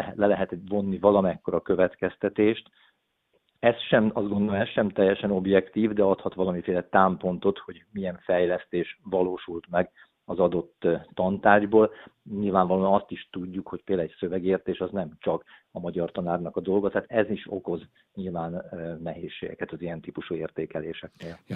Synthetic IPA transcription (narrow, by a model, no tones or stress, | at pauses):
ɦlɛlɛɦɛt̪vo̞nːivɒlɒmɛkːo̞ɾɒkø̞vɛt̪kɛst̪ɛt̪eːʃt̪ | ɛsʃɛmɒzɡo̞nd̪omɛsʃɛmt̪ɛjːɛʃɛno̞bjɛkt̪iːvd̪ɛɒt̪hɒt̪ʋɒlɒmifeːlɛt̪aːmpo̞nt̪o̞t̪ho̞ɟmiɛɱfɛjlɛst̪eːʃvɒloːʃult̪mɛɡ | ɒzɒd̪o̞t̪ːɒnt̪aːʒboːlɲilvaːɱvɒloːɒnɒst̪iʃt̪uɟːukho̞cpeːlɛcsøvɛɡeːrt̪eːʃɒznɛmt͡ʃɒkɒmɒɟɒrt̪ɒnaːrnɒkɒd̪o̞lɡɒt̪aːt̪ɛziʃo̞̰ko̞z | ɲilvaːnmɛɦḛːʃːḛːɡɛkɛt̪ɒzijɛnt̪iːpuʃueːrt̪eːkɛleːʃɛkneːl